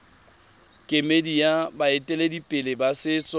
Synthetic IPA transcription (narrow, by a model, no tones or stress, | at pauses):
kʼɪmedijabaɪtʼɛledipʼɪlɪbasɪːt͡sʼɔ